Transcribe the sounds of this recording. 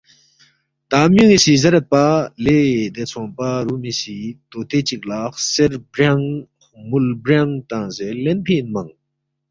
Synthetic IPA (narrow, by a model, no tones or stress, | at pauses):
t̪amjiŋiɕizaɾat̪̚paled̪et͡sʰoŋpaɾumiɕit̪ot̪ʰet͡ɕək̚lahserbraŋ | mulbraŋt̪aŋzelenpʰenmaŋ